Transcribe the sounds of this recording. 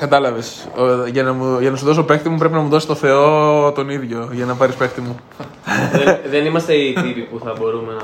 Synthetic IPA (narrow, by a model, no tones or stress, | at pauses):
kɐt̪ɐlɐves | oʝɐnɐmuʝɐnɐs̬uðo̞s̬ope̞kt̪imupɾe̞p̬inɐmuðosi̥t̪o̞θe̞o̞t̪o̞niðʝo̞ʝɐnɐpɐɾispe̞kt̪imu | eðe̞nimɐst̪e̞it̪ipipuθɐbo̞ɾumenɐ